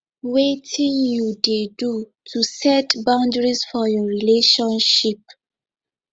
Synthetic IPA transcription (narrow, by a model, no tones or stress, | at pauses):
wetʰĩnjudedu | tʰusɛtbãʊ̃ndɹisfɔjɔɹileʃɔ̃nʃip̚